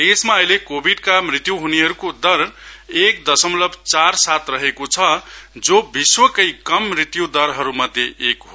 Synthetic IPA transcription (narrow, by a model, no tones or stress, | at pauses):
desmaʌjlekobʱiɖkamrit̪juɦuneɦʌɾukod̪ʌɾekd̪ʌsʌmlʌbʱt͡sarsat̪rʌɦekot͡sʰʌd͡zobiswʌkʌjkʌmːrit̪jud̪ʌɾɦʌɾumad̪jeːkɦo